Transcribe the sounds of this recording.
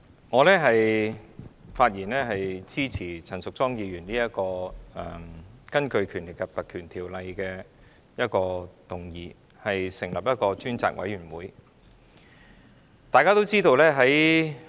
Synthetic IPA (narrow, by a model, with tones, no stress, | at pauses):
ŋɔː˨˧lɛː˥ɦɐ˨j | faː˧t̚jiː˨˩nlɛː˥ɦɐ˨jt͡siː˥t͡sʰiː˨˩t͡sʰɐ˨˩nsʊ˨k̚t͡sɔː˥ŋjiː˨˧ɥyː˨˩nliː˥jɐ˥t̚kɔː˧ɛ˨˩kɐ˥nkɵ˧ɥkʰyː˨˩nlɪ˨k̚kːɐ˨t̚pɐ˨k̚kʰyː˨˩nt̪ʰiː˨˩wlɐ˧jkɛː˧ | jɐ˥t̚kɔː˧t̪ʊ˨ŋjiː˨˧ | hɐ˨jsɪ˨˩ŋlɐ˨p̚jɐ˥t̚kɔː˧t͡ʃyː˥nt͡sa̰ː˨k̚wʔɐ̰˨˥jɥyː˨˩nwuː˨˥j | t̪aː˨jkaː˥t̪o˥wt͡siː˥t̪o˧wlɛː˥ɦɐ˨˥j